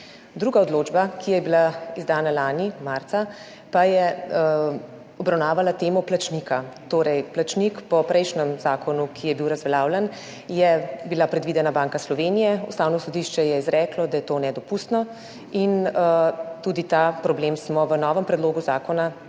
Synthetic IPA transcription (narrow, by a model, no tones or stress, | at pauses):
d̪ɾuːɡaɔd̪loːd͡ʒbakijɛjɛbilaizd̪aːnalaːnimaɾt̪sa | pajɛ | ɔbɾawnaːʋalat̪eːmɔplat͡ʃnikat̪oːɾɛjplat͡ʃnikpɔpɾɛjʃnɛmzaːkʰɔnukʰijɛbiwɾazʋɛlaːwlɛn | jɛbilapɾɛd̪ʋid̪ɛnabaːŋkaslɔʋeːnijɛust̪aːwnɔsɔd̪iʃt͡ʃɛjɛizɾɛːklɔd̪ajɛt̪oːnɛd̪ɔpust̪nɔ | in | t̪uːd̪it̪apɾɔbleːmsmɔʋənɔːʋəmpɾɛd̪loːɡuzaːkɔna